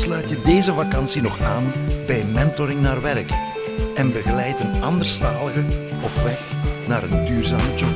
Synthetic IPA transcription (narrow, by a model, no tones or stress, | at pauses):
slœɥtjədeːzəvakɑnsinɔxaːnbɛjmɛntɔɾɪŋnaːrʋɛrk | ɛnbəɣəlɛjtənɑndərstaːləɣəɔpʋɛxnaːɾəndyːrzaːmət͡ʃɔ